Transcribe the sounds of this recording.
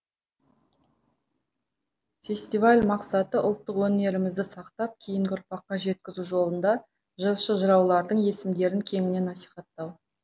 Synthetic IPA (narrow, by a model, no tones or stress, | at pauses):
fʲe̞sʲt̪ivalʲmɑqsɑt̪əʔʊlˠt̪ːəqwɵne̞ɾɪmɪzd̪ɪsɑqt̪ɑp̚kʲʰijɪŋɡʲɪʊɾpɑqːɑʒe̞t̪̚kʲɪzuʒo̞lˠənd̪ɑ | ʒəlˠʃəʒəɾɑwlˠɑɾd̪əɴje̞sɪmd̪e̞ɾɪŋkʲʰe̞ŋɪne̞nɑsi̥jχɑt̪ːɑw